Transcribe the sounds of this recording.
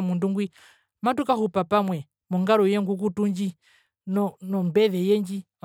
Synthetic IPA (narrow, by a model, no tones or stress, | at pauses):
munduŋɡwi | matukahupapamwɛ | mɔŋɡaɾɔjɛŋɡuk̬utuɲd͡ʒi | nɔnɔmbɛðɛjɛɲd͡ʒim